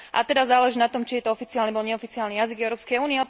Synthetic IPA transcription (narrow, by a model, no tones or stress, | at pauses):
ʔa̰t̪ɛd̪azaːlɛʒinat̪ɔmt͡ʃijɛt̪ɔɔfit͡siɪaːlnibɔlɲɛɔfit͡siaːlnijaziɡɛʊɾɔːpskɛjuːniɛɔ